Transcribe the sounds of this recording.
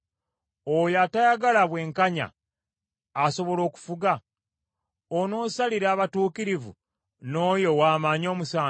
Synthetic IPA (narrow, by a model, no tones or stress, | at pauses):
ojatajaɡalaβwe̞ːŋkaɲa̰ː | so̞βo̞lo̞ːku̥fuɡa | ono̞ːsaliɾaːβatuːkiɾivṵ | no̞ːjo̞waːmaːɲo̞ːmusaː